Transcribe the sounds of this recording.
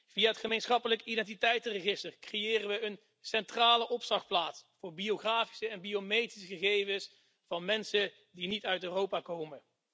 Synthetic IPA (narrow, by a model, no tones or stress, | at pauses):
v̥iaɦətχəmejnsχɑpələkidɛnt̬itɛjtərəχɪstərkrejɪːrənʋəən | sɛntraːləʔɔpsɑχplaːtsfʊːɹbioχraːfi̥səɛnbiomejtisəχəχejvəs | fɑnmɛnsə | dinitœɥtøːrowpaːkowmən